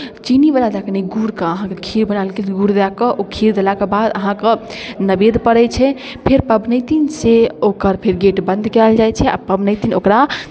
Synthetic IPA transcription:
t͡ʃinibalad͡ʒ̪akneɡuɾkəəɦãkekʰiɾbənalkelɡuɾd̪elakəʔokʰiɾd̪elakebad̪əɦãkənəbed̪pəɾɛt͡ʃʰɛ | pʰeɾpəbnəjt̪inseokəɾpʰeɾɡeʈbə̃nd̪kɛld͡ʒajt͡ʃʰɛʔa̰pəbnəɪt̪inokɾa

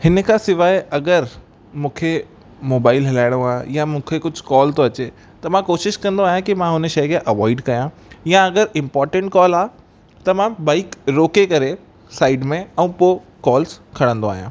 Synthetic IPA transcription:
hɪnə̆kʰasɪʋaːɪɐɡəɾ | mũːkʰe | moːbaːɪlɦɐlaːɪɽ̃õaːɦejamũːkʰekʊd͡ʑʱkɔːlt̪oɐt͡ɕe | t̪ɐmãkoːʃɪʃkɐ̃nd̪oaːɦjãkimãɦʊnʃɐjkeʔɐʋɔːɪɖkɐjã | jãɐɡəɾɪ̃mpɔːɾʈə̃ɳʈkɔːlaː | t̪ɐmãbaːɪkɾoːkekɐɾe | saːɪɖmẽɛ̃ũpo | kɔːlskʰɐɽə̃nd̪oaːijã̰ː

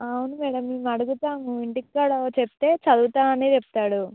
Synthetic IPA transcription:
ɐwunumɛːɽɐmːeːmɐɽuɡut̪aːmuiɳʈikːɐɽɐt͡ʃepi̥t̪e̞ːt͡ʃɐd̪uːt̪aːmɐneːt͡ʃepi̥t̪aːɽu

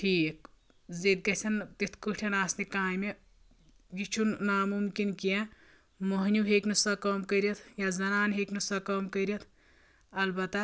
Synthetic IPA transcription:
ʈʰiːk | zet̪̚ɡɐsɐnt̪it̪ʰkɨʈʰɐnaːsnikaːjme | jit͡ʃʰunnamumkinkijẽ | moɦnʲjuɦeːknusakɐmkəɾjɐt̪ʰjazɐnaːnɦeːknusakɐmkəɾɐt̪ʰ | ɐlbɐt̪a

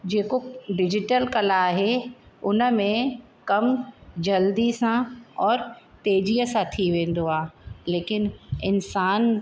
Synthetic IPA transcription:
d͡ʑeːkoɖɪd͡ʑɪʈəlkɐlaaːɦeʊnə̆mẽ | kɐmd͡ʑɐld̪isãɔːɾt̪eːd͡ʑijəsãt̪ʰiʋẽːn̆d̪oaːɦeleːkɪnɪnsaːn

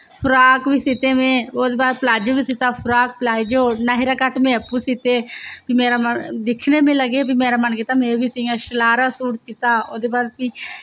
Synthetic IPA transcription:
pʰʊɾaːkʋiːsɪt̪eːmẽːoːd̪eːbaːd̪plaːd͡ʒoːbiːsɪt̪aːpʰʊɾaːk̚pəlaːd͡ʒoːnaːɦɪɾaːkəʈmẽːəpːuːsɪt̪eːbiːmeːɾaːmənd̪ɪkʰneːmẽːləɡeːbiːmeːɾaːmənkɪt̪aːmẽːbiːsiɡãːʃəlaːɾaːsuːʈsɪt̪aːoːd̪eːbaːd̪piː

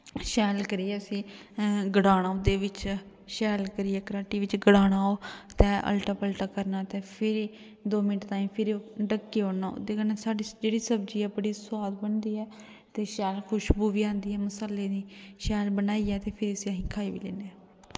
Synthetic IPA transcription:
ʃɛːlkəɾiːɛːəsĩː | ɡəɽaːɽ̃aːʊd̪eːʋɪt͡ʃ | ʃɛːlkəɾiːɛːkəɾaːʈiːʋɪt͡ʃɡəɽaːɽ̃aːoːt̪ɛ̃ːʔə̰lʈaːpəlʈaːkəɾnaːt̪eːpʰɪɾiː | d̪oːmɪnʈt̪aːĩːpʰɪɾɖəkːeːoːnaːʊ̰d̪eːkənasaːɖiːd͡ʒeːɽiːsəbd͡ʒiːɛːbəɽiːsʊaːd̪bəɳd̪iːɛː | t̪eːʃɛːlkʰʊʃbuːʋiːãːnd̪iːɛːməsəlːeːd̪iːʃɛːlbənaːiːɛːt̪eːpʰɪɾiəsĩəɦĩːkʰaːiʋḭːlḛːneɛː

